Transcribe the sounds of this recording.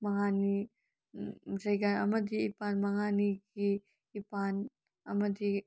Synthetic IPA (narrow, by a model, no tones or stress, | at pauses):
mɐŋani | d͡ʒɐjɡanɐmɐdiːpanmɐŋaniɡiː | pan | ɐmɐdi